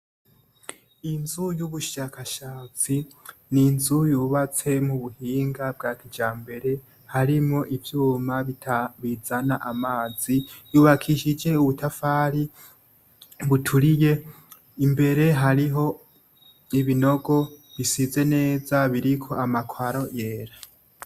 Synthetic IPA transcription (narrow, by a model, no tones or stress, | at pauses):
inzujuβuʃakʰaʃaːt͡sininzujuːβat͡se̞muβuhiːŋɡab̚ɡaːtʰid͡ʒaːmbe̞ɾe̞ | haɾimŋo̞ʔivjuːmaitʰaβizanaʔamaːzijuːβakʰiʃid͡ʒe̞uβutʰafaːɾi | βutʰuɾije̞ | imbe̞ɾe̞ɦaɾiɦo̞ | iβino̞ɡo̞βisize̞ne̞ːzaβiɾikʰo̞amakʰwaɾo̞je̞ːɾa